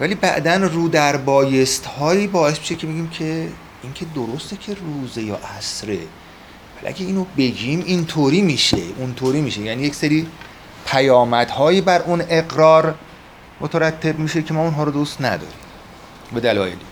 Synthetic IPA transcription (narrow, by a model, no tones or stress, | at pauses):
væliːbæ̰ʔd̪ænruːd̪æɾbɒːje̞st̪hɒːjiːbɒːe̞smi̥ʃekcʰe̞beɡiːmcʰe̞ | iŋcʰe̞d̪oɾost̪e̞cʰe̞ruːzejɒ̰ːʔæsɾe̞ | vælḭʔæ̰ɡʲeiːnobe̞ɟimʔint̪ʰoɾiːmiːʃeunt̪ʰoːɾiːmiːʃe̞jænijecseɾiː | pʰæjɒːmæd̪̥hɒːjiːbæɾune̞ɣɾɒːɾ | mot̪ʰæɾæt̪ʰːe̞bmiːʃecʰemɒːunɦɒːɾod̪ust̪næ̰d̪ɒ̰ːɾim | be̞d̪ælɒ̰ːjeli